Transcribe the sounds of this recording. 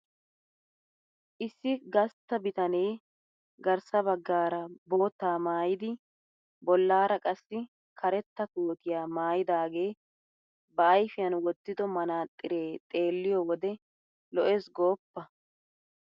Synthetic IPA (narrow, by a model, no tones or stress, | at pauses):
ʔɪsːɪɡɐst̪ːɐbɪt̪ɐne̞ː | ɡɐɾsɐbɐɡːaːɾɐbo̞ːt̪ːaːmaːjɪd̪ɪ | bɔlːaːɾɐkʼɐsːɪ | kʰɐɾɛt̪ːɐkoːt̪ɪjaːmaːjɪd̪aːɡe̞ː | bɐːjfɪjɐnwɔt̪ːɪd̪ɔmɐnaːt̪ʼːɪɾe̞ːt̪ʼe̞ːlːɪjɔwɔd̪ɛ | lɔʔɛsɡo̞ːpːɐ